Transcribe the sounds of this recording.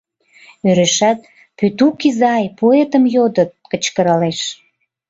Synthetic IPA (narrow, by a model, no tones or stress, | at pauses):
øɾeʃæt̪̚ | pyt̪ukizɑjpoet̪əmjod̪ət̪̚kət͡ɕkəɾɑleʃ